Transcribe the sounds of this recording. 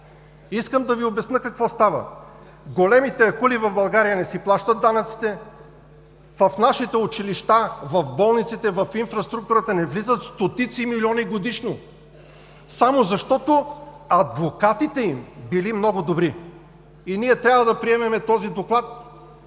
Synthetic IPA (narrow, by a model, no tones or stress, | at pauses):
iskəmd̪ɐviobɛsnəkɐkvɔst̪avə̰ | ɡolɛmit̪ɛɐkulivɐvbɐlˠɡaɾijənɛsiplˠaʃt̪ət̪̚d̪anɐt̪si̥t̪ɛ | vɐfnaʃit̪ɛʊt͡ʃiliʃt̪avɐfbɔlˠnit̪sit̪ɛvɐfinfɾɐst̪ɾuk̚t̪uɾət̪ɐnɛvlizət̪st̪ot̪it̪similiɔniɡod̪iʃno | samozɐʃt̪ɔt̪o | ɐd̪vokat̪it̪ɛimbilimnɔɡʊd̪obɾi | iniɛt̪ɾʲavəd̪ɐpɾiɛmɛmɛt̪ɔzid̪oklˠat̪̚